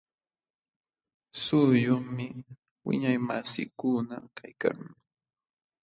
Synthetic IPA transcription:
sʊjʊŋmɪ | wɪ̰ɲajmasɪ̰kʊnakʰajka̰ŋ

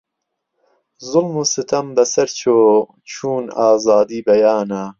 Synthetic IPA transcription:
zʊlmusɨt̪ʰɐmbɐsɐɾt͡ʃʰoː | t͡ʃʰuːnaːzaːd̪iːbɐjaːna

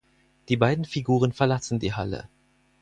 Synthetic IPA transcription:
d̥iːbaɪdn̩fiɡuːʁ̞ənfɛɐlasn̩diːɦa̰lə̰

